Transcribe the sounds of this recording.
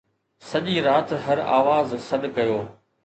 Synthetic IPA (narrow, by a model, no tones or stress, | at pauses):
sɐʄiɾaːt̪ɦɐɾa̰ːʋaːzsɐɗkɐjoː